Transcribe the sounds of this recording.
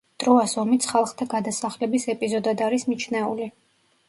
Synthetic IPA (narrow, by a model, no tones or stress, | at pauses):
d̪ʼɾɔasɔmit̪sʰχalˠχt̪ʰaɡad̪asaχlɛbisɛpʼizɔd̪ad̪aɾismit͡ʃʰnɛuli